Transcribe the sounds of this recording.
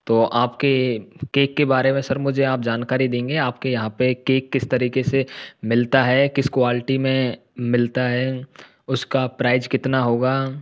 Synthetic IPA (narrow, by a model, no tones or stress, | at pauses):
t̪oːʔaːpkekeːkːebaːɾemẽsɐɾmʊd͡ʒʱeaːp̚d͡ʒaːnkaːɾid̪ẽːŋɡeaːp̚kejɐɦãpekeːkːɪst̪ɐɾiːkesemɪlt̪aɦɛkɪskwaːlɪʈimẽ | mɪlt̪aɦɛ | ʊskapɾaːɪzkɪt̪naɦoːɡaː